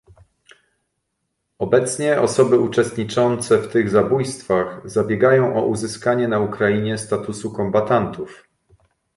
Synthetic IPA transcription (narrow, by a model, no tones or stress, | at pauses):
ɔbɛt̪sɲɛɔsɔbɘut͡ʂɛst̪ɲit͡ʂɔnt̪sɛft̪ɘɣzabujst̪faxzabʲjɛɡajɔ̃w̃ʔɔʔuzɘskaɲɛnaukɾaiɲɛst̪at̪usukɔmbat̪ant̪uf